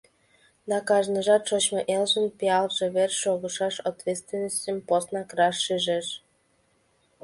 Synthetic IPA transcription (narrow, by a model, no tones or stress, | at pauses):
d̪ɑkɑʒnəʒɑt̪ʃot͡ɕmeʔelʒənpiɑlʒeβerʃoɣəʃɑʃat̪vʲet̪st̪vʲenosʲtʲəmposnɑkrɑʃːeʒeʃ